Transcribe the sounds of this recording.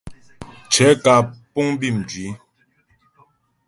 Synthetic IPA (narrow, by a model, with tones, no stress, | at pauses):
t͡ʃʰɛ˨˦ka˨pu˦ŋbi˦˨md͡ʒɥi˨˦